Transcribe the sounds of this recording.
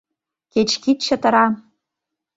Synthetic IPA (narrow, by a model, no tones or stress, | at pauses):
ket͡ɕkit̪̚t͡ɕɤ̆t̪ɤ̆ɾɑ